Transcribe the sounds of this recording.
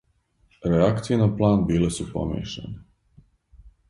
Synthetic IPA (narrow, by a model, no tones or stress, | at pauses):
ɾeakt̪sijenaplˠaːnbiːle̞supo̰mḭːʃḛne